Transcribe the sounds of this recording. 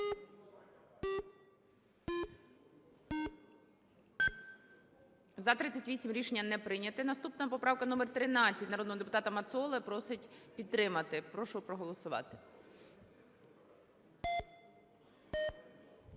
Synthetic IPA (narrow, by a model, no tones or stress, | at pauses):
zɐt̪ɾɪt͡sʲːɐtʲʋʲisʲimɾʲiʃenʲːɐnɛpɾɪnʲɐt̪ɪnɐst̪upnɐpɔpɾɑwkɐnumɛrt̪ɾɪnɑt͡sʲːɐtʲnɐɾɔd̪nɔɦɔd̪epʊ̥t̪ɑt̪ɐmɐt̪sɔlˠɛpɾɔsɪtʲpʲid̪t̪ɾɪmɐt̪ɪpɾɔʃʊpɾɔɦɔlˠɔsʊʋɑ̰t̪ɪ